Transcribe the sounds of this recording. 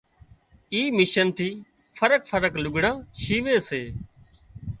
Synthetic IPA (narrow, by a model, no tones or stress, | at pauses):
iːmɪʃənt̪ʰiː | fʰəɾək̚fʰəɾəklʊɡʱɽãːʃiːʋeːseː